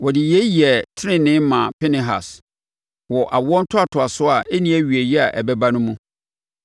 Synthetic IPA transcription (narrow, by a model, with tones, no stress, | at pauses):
wɔ˨dɪ˨jɛ˦ji˨ɛ˨tʰɪ˦ɾɪ̃˦nɪ̃˦mã˨pʰɛ˦nɪ̃˨ɦa̰˨s | wɔ˨ʔa˨wɔ̃˦n̩˦tʰʊ˦a˨tʰʊ˨a˨sʊ˦a˨ʔe˦nĩ˦æ˦ɥi˨e˨jɛ˦a˨ʔɛ˨bɛ˦ba˦nʊ̃˦mũ˦